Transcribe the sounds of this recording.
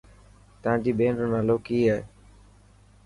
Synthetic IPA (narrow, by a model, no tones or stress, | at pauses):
t̪əãːd͡ʑiːɓeːnɾoːnaːloːkiːɦeː